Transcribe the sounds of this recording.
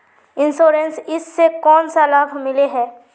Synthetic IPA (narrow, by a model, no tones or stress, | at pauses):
ɪ̃nsoːɾensɪsːekɔːnsalaːbʱmɪleɦɛː